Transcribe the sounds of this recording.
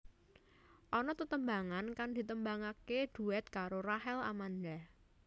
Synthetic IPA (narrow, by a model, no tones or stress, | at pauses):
ʔɔnɔt̪ət̪əmbaŋankaŋd̪̥i̤t̪əmbaŋaked̪̥ṳɛt̪̚kaɾoraɦɛla̰mand̪a